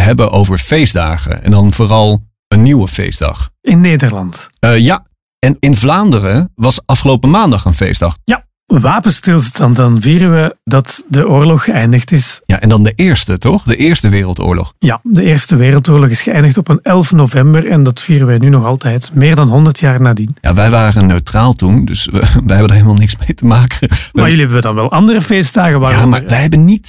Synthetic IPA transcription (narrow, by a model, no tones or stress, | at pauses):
ɦɛbəʔowvəɹfejzda̰ːχə̰ɛ̰ndɑnvoːrɑlˠ | ənːiwəfḛjzdɑ̰χɪnːejdərlɑntːja | ɛnɪnvlaːndərəʋɑsɑfχəlowpəmaːndɑχənfḛjzdɑχja | ʋaːpənstɪlˠstɑntdɑnviːrəʋədɑtdəʔʊːrlɔxːəɛjndəxtɪsja̰ʔɛndɑndəʔɪːɹstətɔχdəʔɪːɹstəʋɪːrəlˠto̰ːɹlɔ̰χjadəɪːrstəʋeːrəlˠtoːrlɔxɪsxəɛjndəxtɔpənɛlˠfnovɛmbərɛndɑtfiːrənʋɛjnynɔxɑlˠtɛjtmɪːrdɑnɦɔndərtʰjaːrnaːdinja̰ʋɛjʋaːrənːøɥtraːlˠtundɵ̰sʋɛjɦɛbəndaːɹɦeləmaːlˠnɪksmejtəmaːkənmmaːrjʏliɦɛbəʋədɑnʋɛlˠʔɑndərəfeːsdaːɣəʋaːamaːɹʋɛjɦɛbənnit